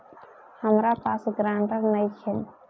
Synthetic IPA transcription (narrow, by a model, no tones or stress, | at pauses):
həmɾapaːsɡɾãːɳʈəɾnəjt͡ʃʰɛ